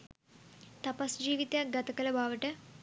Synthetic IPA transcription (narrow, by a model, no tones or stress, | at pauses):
t̪ɐpɐsd͡ʒiːʋit̪aɡɐt̪ɐkɐlɐbaːʋɐʈə